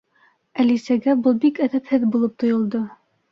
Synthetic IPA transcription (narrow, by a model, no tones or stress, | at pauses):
ælisæɡæbɤlˠbikæðæphɘðbulˠɤp̚t̪ŏjŏlˠd̪ɤ